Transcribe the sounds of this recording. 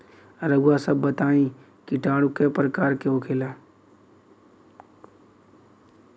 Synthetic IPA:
ɾəɡʊwasəbːət̪aːĩ | kiʈaːɽ̃ukepɾəkaːɾkeokʰeːlaː

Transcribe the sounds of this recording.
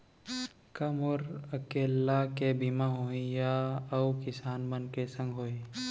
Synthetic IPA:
kɐmɔːɾəkeːlːakebimaɦoːĩjaɐukɪsaːnbənkesə̃ŋɡʱɦoːi

